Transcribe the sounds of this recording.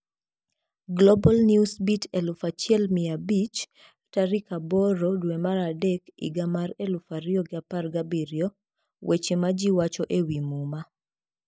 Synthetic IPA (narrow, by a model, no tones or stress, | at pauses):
ɡlobɔlnjusbitʰelʊfat͡ʃɪɛlmɪabit͡ʃ | ataɾikabɔɾɔdwemaɾadɛkɪ̰ɡamaɾelʊfaɾiɔɡɪaparɡabiɾjɔ | wʔet͡ʃemad͡ʒiwat͡ʃɔʔewimuma